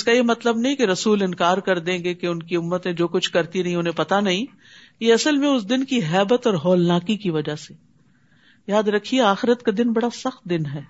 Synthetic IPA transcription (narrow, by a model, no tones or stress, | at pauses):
ɪskajemɐt̪ləbnɐɦĩkeɾɐsuːlɪnkaːɾkɐɾd̪ẽːŋɡekeʊnkiʊmːət̪ẽd͡ʒoːkʊt͡ʃʰkɐɾt̪iɾɐɦĩʊnɦẽpɐt̪anɐɦĩ | jeɐsəlmẽʊs̬d̪ɪnkiɦɛːbət̪ɔːɾɦɔːlnaːkikiʋɐd͡ʒase | jaːd̪ɾɐkʰːieaːxɪɾət̪kad̪ɪnbɐɽasɐxt̪̚d̪ɪnɦɛː